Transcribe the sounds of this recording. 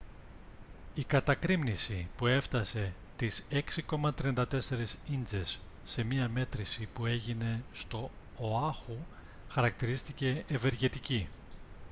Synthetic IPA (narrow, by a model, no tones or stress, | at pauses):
ikɐt̪ɐkɾimnisipue̞ft̪ɐse̞ | t̪ise̞ksiko̞mɐt̪ɾiɐnd̪ɐt̪e̞se̞ɾesind͡ze̞sː | e̞miɐme̞t̪ɾisipue̞ʝine̞st̪o̞ː | ɐxu | xɐɾɐk̚t̪iɾist̪ice̞ːve̞ɾʝe̞t̪ici